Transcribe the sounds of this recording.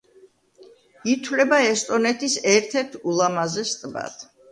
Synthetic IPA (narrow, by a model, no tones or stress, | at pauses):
it̪ʰwlɛbaɛst̪ʼɔnɛt̪ʰisɛɾt̪ʰɛɾt̪ʰulˠamazɛst̪ʼba̰t̪ʰ